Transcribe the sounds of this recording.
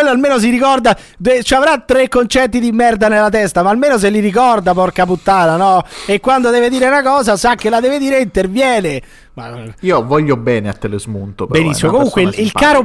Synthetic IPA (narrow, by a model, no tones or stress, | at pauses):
elːoalmeːnos̬iɾikɔrd̪a | d̪et͡ʃiavɾat̪ːɾekːont͡ʃɛt̪̬ːid̪imːɛrd̪anelːat̪̬ɛst̪amaːlmeːnos̬elːiɾikɔrd̪apɔrkaput̪ːaːnanɔekːwand̪od̪ɛːved̪iːɾeunakɔːzasakːelad̪ɛːved̪iːɾeint̪ervjɛːne | maiːovɔʎːobɛːnea̰t̪ːelezmunt̪opbenisːimokomuŋkweilkaːɾo